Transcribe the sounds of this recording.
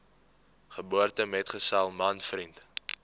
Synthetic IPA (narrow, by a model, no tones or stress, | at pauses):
χəbuərtəmɛtχəsɐlˠmɐnfrint